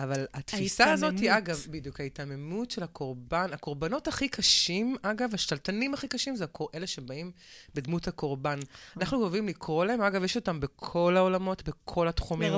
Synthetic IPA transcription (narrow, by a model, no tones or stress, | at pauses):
avalatfisaazo̞thiaɡavbidjukhaitame̞mutʃe̞lakʰo̞ʁbanako̞ʁbano̞taχikʰaʃimaɡavaʃtaltanimaχikaʃimzekoʔe̞le̞ʃebaimbedmuthako̞ʁbananaχnukovimlikʁo̞lahe̞maɡavjeʃo̞tambe̞kʰo̞lao̞lamo̞tbekʰo̞latχumim